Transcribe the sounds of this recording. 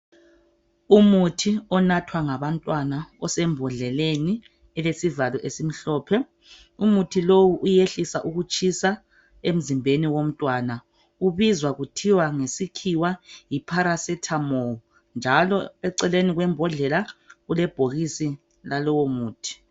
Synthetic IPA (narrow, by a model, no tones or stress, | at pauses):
umutʰiɔnatʰwaŋaβantʼwanaɔsɛmbʱɔɮɛleni | ɛlesivalɔʔesim̩ɬɔːpʰɛ | umutʰilowuʔujeɬisaʔuɣut͡ʃʰʼisa | em̩zimbʱeniwom̩tʼwana | uβizwaɣutʰiwaŋesikʰiwajipʰaɾasɛtʰamowu | nd͡ʒʱalɔɛǀɛleniɣwɛmbʱɔɮɛlaɣulɛb̥ʱoɣisi | lalɔwomuːtʰi̥